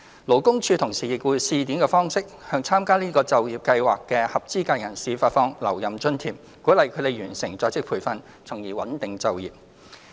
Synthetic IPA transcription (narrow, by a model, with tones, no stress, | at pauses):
lo˨˩wkʊ˥ŋt͡ʃʰyː˧t̪ʰʊ˨˩ŋsiː˨˩jɪ˨k̚wuː˨˧jsiː˧t̪i˨˥mkɛː˧fɔː˥ŋsɪ˥k̚hœː˧ŋt͡sʰaː˥mkaː˥liː˥kɔː˧t͡sɐ˨wjiː˨p̚kɐ˧jwa̰ː˨kːɛː˧hɐ˨p̚t͡siː˥kaː˧jɐ˨˩nsiː˨˥faː˧t̚fɔː˧˥ŋlɐ̰˨˩wjɐ˨˩mt͡ʃɵ˥nt̪ʰiː˨˩ | kuː˨˥lɐ˨˧jkʰɵ˨˧˥t̪e˨˧jɥyː˨˩nsɪ˨˩ŋt͡sɔː˧t͡sɪ˥k̚pʰuː˨˩jfɐ˧n | t͡sʰʊ˨˩ŋjiː˨˩wɐ̰˨˥nt̪ɪ˨ŋt͡sɐ˨wjiː˨p̚